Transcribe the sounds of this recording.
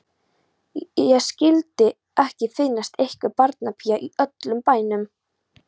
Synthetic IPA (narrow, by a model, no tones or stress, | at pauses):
ɛscɪlt̪ɪ | ɛhcɪfɪnːast̪ehkʏpaɾt̪napʰijaʔiœt̪lʏmpaːjnʏm